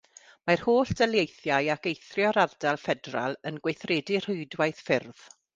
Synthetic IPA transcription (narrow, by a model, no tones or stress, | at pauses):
mar̥hoːɬd̥ɛlˠjejθjajakejθrjɔɾardalˠfɛdra̰lˠənɡwejθreːdɪr̥ʊɨdwajθfɪrð̥